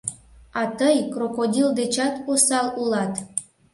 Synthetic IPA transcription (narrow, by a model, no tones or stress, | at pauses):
ɑt̪əjkrokod̪ʲild̪et͡ɕɑt̪usɑlulɑt̪